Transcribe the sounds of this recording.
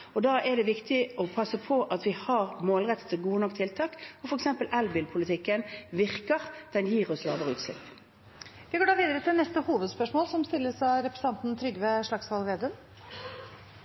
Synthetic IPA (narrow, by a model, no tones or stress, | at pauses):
ɔd̪ɑːʔɛɖ̪ɛʋɪkt̪ʰɪɔpʰɑsːəpʰɔʔɑt̪ʋɪhɑʁmoːlʁɛt̪ːə̥t̪ʰɪlɡuːənɔkːt̪ʰɪlt̪ʰɑːkɔfɔɾɛksɛmpəlʔɛlbɪlpʰʊlɪt̪ʰɪkːənʋɪʁkəʁd̪̥ɛnjiːʁɔslɑ̰ːʋəʁəʉːt̪slɪ̰pː | ʋɪɡoːɖɑːʋiːd̪əɾət̪ʰɪlnɛst̪əhuːʋəd̪spœʂmoːlsɔmst̪ɪlːəsɑɾɛpɾɛsɑnt̪n̩t̪ʰɾʏɡːʋɛʂɭɑkshɑlʋeːd̪ʉm